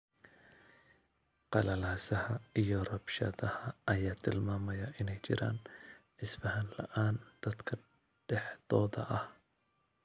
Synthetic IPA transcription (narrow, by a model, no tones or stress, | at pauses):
qɑlɐlaːsɐhɐijɞrɐbʃɐ̰ðɐhɐʔɐjaːt̪ʰɪlmaːmɐjɐʔɪnɛjt͡ʃɪ̰ɾa̰ːnʕɪsfɐɦɐnlɐ̰ʔaːnd̪̥ɐd̪kʰɐ | ɖ̥ɛħd̪̥ɔːðɐ̰ʔɐh